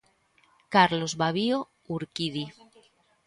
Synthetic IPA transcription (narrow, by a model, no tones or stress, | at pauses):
kaɾlozβaβio | uɾkiði